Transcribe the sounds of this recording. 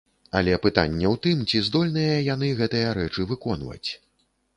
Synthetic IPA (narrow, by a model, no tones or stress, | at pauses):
ɐ̰lʲɛpɨt̪a̰nʲːɛwt̪ɨmt͡sʲizd̪ɔlʲnɐjɐjan̪ɨɣɛt̪ɨjɐɾɛt͡ʂɨvɨkɔnvɐ̰t͡sʲ